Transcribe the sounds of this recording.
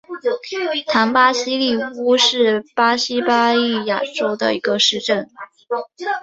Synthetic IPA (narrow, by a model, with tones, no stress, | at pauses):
t̪ʰa˧˥npa˥ɕi˥li˥˩fu˥ʂɻ̩˥˩pa˥ɕi˥pa˥i˥˩ja˨˩ʈ͡ʂo˥ʊd̪ə̰˨i˧˥ɡə˧ʂɻ̩˥˧ʈ͡ʂə˥˩n